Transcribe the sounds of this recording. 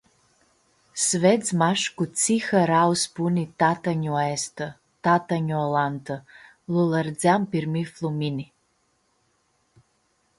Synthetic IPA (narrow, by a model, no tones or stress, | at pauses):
sved͡zmaʂkut͡sʰixaɾawsbunit̪at̪aɲuest̪ɨ | t̪at̪aɲuɔlant̪ʰɨ | lulˠard͡zampirmiflˠumini